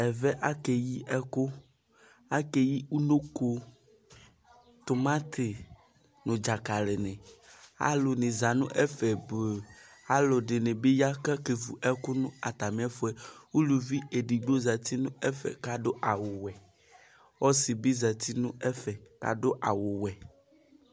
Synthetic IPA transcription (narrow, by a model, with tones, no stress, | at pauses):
ɛ˨vɛ˦ʔa˦ke˨ji˦ɛ˦ko˦ | a˦ke˦ji˦u˦no˦ko˦ | t̪o˨mã˦t̪ʰɪ˨ | nũ˨d͡ʒa˨ka˨le˨nɛ̃˨a̰˦lo˨nẽ˨za˨nṵ̃˦ʔɛ˦fɛ˨bo˨a˦lo˨ɖe˨nẽ˨be˦ja˦kɛ˦ke˨vu˨ʔɛ˦kʊ˦nũ˦a˨t̪a˨mĩ˨˦a˦fo˦ɛ˦wu˦lu˨vi˦e˨ɖi˨ɡ͡bo˦za˨t̪i˦nũ˦ɛ˦fɛ̰˨ka˨do˦ʔa˨wo˨wɛ˨ | wɔ˦si˨bi˦za˨t̪i˦nũ˦ɛ˦fɛ˨ka̰˨do˦ʔa˨wo˨wɛ˨